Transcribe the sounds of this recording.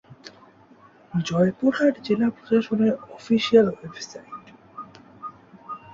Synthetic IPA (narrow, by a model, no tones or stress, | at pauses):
d͡ʑɔepoʈʰaɾd͡ʑelapɾoʃaʃoneɾɔfiʃialwebsajʈ